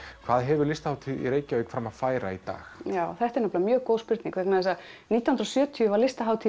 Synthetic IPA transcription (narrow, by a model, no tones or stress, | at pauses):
kʰv̥aːðɦɛvʏɾlɪst̪ḁhawt̪ʰiðḭɾeːjcɪœːjkfɾamaðfaːjɾa̰it̪a̰ːxjaːwθɛht̪ɛɾnɔplamjœːɣkoːwspɪɾt̪nĩŋkvɛknaðɛsaniːt̪ahnɾɔsjœːt̪ʰyʏvaɾlɪst̪aɦaːwt̪ʰi